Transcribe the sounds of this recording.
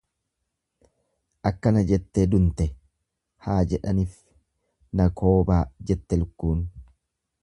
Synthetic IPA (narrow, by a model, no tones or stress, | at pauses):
ʔɐkːɐnɐd͡ʒɛt̪ːeːd̪ʊnt̪ɛ | haːd͡ʒɛᶑɐniːf | nɐkʰo̞ːbaːd͡ʒɛt̪ːɛlʊkːuːn